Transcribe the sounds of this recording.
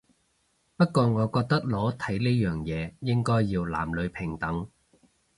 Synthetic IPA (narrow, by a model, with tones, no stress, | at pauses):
pɐ˥t̚kɔː˧ŋɔː˨˧kɔː˧k̚t̪ɐ˥k̚lɔː˨˥t̪ʰɐ˨˥jne˥jœː˨ŋjɛː˨˧jɪ˥ŋkɔː˥jːiː˧wla̰ː˨˩mlɵ˨˧ɥpʰɪ˨˩ŋt̪ɐ˨˥ŋ